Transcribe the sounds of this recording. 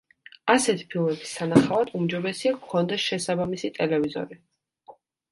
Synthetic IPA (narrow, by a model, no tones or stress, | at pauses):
asɛt̪ʰi̥pʰilˠmɛbi̥sanaχavad̪ʰumd͡ʒɔbɛsiakkʰɔnd̪ɛsʃɛsabamisit̪ʼɛlɛvizɔ̰ɾi